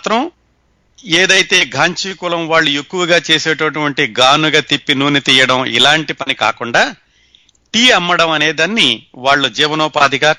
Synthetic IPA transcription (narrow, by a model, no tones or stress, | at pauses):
t̪ɾɐm | eːd̪ɐjt̪e̞ːɡʱaːɲt͡ʃiːkulɐmʋaːɭːuekːuʋɐɡaːt͡ʃeːseːʈɐʈuʋɐɳʈiɡaːnuɡaːt̪ipːinuːnit̪iːjɐɽɐmḭlaːɳʈipɐnika̰ːkuɳɖaː | ʈiːɐmːɐɽɐmɐne̞ːd̪ɐnːiʋaːɭːud͡ʒɛːʋɐnɔːpaːd̪iɡaː